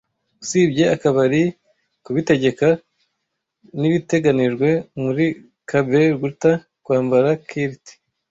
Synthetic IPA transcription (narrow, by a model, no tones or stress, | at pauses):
usiːbɟe̞akaβaɾi | kuβite̞ɟe̞ka | niβite̞ɡaniʒɡwe̞muɾi | kabe̞ɾɡuta | kwaːmbaɾakʰiɾti̥